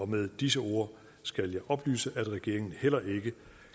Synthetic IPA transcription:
ɒ̽með̞ˠd̥is̬əo̝̰ːɐ | sɡ̥æljɑ̈ɪʔɒ̽b̥ly̰ːsəʔæd̥ʁɛɡ̥e̝ɐ̰e̝ŋn̩hel̰ɐʔe̝ɡ̥ə

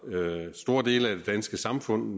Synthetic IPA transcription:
sd̥o̝ɐd̥e̝̰ːləæd̥e̝d̥ænsɡ̥əsɑ̈mfɔ̽n̰

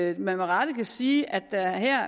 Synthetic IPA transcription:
mæməʁɑ̈d̥əkʰæsiːʔæd̥æɦɛɐ̰

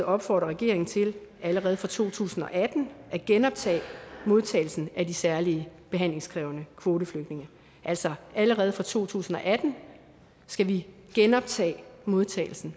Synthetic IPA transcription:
ɒ̽b̥fɒ̰ːd̥ʁɐʁɛɡ̥e̝ɐe̝ŋn̩t͡sʰe̝læləʁɛːð̞̩ˠfʁɑ̈t͡sʰo̝̰ːt͡sʰṵːsn̩ɒ̽ʔæd̥n̩ʔæɡ̥enɒ̽b̥̚t͡sʰɛ̰ːmo̝ð̞ˠt͡sʰɛ̰ːɪl̩sn̩ædisæɐliəb̥e̝ɦæn̰le̝ŋskʰʁɛʊnəkʰʋo̝ːɾəfløɡ̥d̥ne̝ŋɐ | ʔæl̰sɒʔæləʁɛːð̩ˠfʁɑ̈t͡sʰo̝̰ːt͡sʰṵːsn̩ɒ̽ʔæd̥n̩ | sɡ̥æʋi | ɡ̥enɒ̽b̥̚t͡sʰɛ̰ːmo̝ð̞ˠt͡sʰɛ̰ːɪl̩sn̩

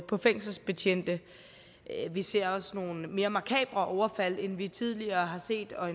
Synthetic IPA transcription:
pʰɒ̽feŋ̰sl̩sb̥et͡ɕʰen̰d̥ə | ʋise̝̰ɐ̰ɒ̽sno̝ːn̩me̝ːɐmɑ̈kʰɛ̰ːb̥lɐʔɒʊɐfæl̰enʋit͡sʰið̞ˠliɐːɦɑ̈se̝̰ːd̥ɒ̽e

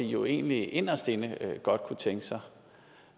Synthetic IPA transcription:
ijo̝e̝̰ːnliʔe̝nɐsd̥e̝nəɡ̥ɒ̽d̥̚kʰut͡sʰeŋɡ̥əsɑ̈ɪ

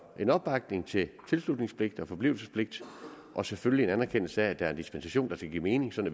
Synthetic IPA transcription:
ʔe̝nɒ̽b̥ːɑ̈ɡ̥ne̝ŋt͡sʰe̝lt͡sʰe̝lslud̥ne̝ŋspʰle̝ɡ̥̚d̥ɒ̽fɒ̽b̥lḭʊl̩səspʰle̝ɡ̥̚d̥ | ʔɒ̽seføllie̝nænæɐkʰen̰l̩səæd̥æɐnd̥isb̥ensæɕo̝̰ːnd̥ɑ̈sɡ̥æɡḭːme̝ːne̝ŋsɒ̽næ

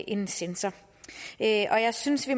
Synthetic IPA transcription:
ʔenn̩sensɐ | øʔɒ̽jɑ̈ɪsynsʋi

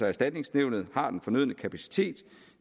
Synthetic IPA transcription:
æɐsd̥æd̥ne̝ŋsneʊ̰nð̞̩ˠhɑ̈d̥enfɒ̽nøð̰ˠnəkʰæpʰæsi̥t͡sʰe̝̰ːd̥

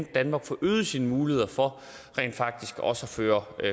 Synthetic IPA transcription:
nd̥ænmɑ̈ːɡ̥fɒʔøːð̞̩ˠəsiːnəmuːlihe̝ð̰ˠɐfɒ̽ | ʁɛ̰ːnd̥fɑ̈ɡ̥̚d̥isɡ̥ɒ̽səɒføːɐ

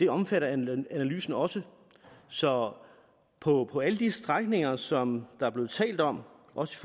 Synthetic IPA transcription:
d̥e̝ɒ̽mfæɾɐænæly̰ːsn̩ɒ̽sə | sɒ̽ | pʰɒ̽pʰɒ̽æləd̥isd̥ʁaɡ̥ne̝ŋɐsɒ̽md̥ɑ̈æɐb̥le̝ːð̞̩ˠt͡sʰɛ̰ːld̥ɒ̽m̰ʔɒ̽sə̥if

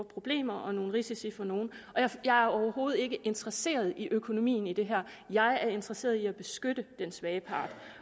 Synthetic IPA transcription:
pʰʁo̝b̥le̝̰ːmɐʔɒ̽no̝ːn̩ʁisisifɒ̽no̝ːn̩ɒ̽jjɑ̈ɪæɐɒʊɐɦo̝ːð̩ˠe̝ɡ̥əʔe̝nd̥ʁɐse̝̰ːɐð̞ˠiʔøkʰo̝no̝mḭːn̩id̥e̝ɦæɐ̰ | jɑ̈ɪæɐe̝nd̥ʁɐse̝̰ːɐð̞ˠiæb̥e̝sɡ̥ød̥əd̥ensʋɛːəpʰɑ̈ːd̥

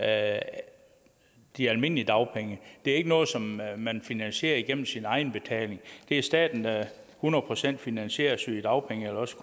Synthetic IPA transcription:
d̥iælme̝n̰əliəd̥ɑ̈ʊpʰeŋəd̥e̝æɐe̝ɡ̥ənɔ̽ːð̞̩ˠsɒ̽mːænfinænɕe̝̰ːɐiɡ̥en̰m̩sinɑ̈ɪn̩b̥e̝t͡sʰɛ̰ːle̝ŋd̥e̝æɐsd̥ɛ̰ːd̥n̩d̥æ | hunɐðˠpʰʁo̝sen̰d̥finænɕe̝̰ːɐsyd̥ɑ̈ʊpʰeŋəelɒ̽sʰ

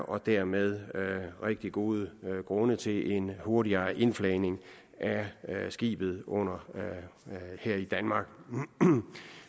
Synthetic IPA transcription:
ʔɒ̽d̥æɐ̰með̞ˠʁeɡ̥̚d̥iɡ̥o̝ːð̞ˠəɡ̥ʁɔ̽nət͡sʰe̝lʔe̝nho̝ɐɾiɐʔe̝nflɛɪne̝ŋ | ʔæsɡ̥ḭːb̥ð̞̩ˠʔɔ̽n̰ɐ | hæɐ̰id̥ænmɑ̈ːɡ̥

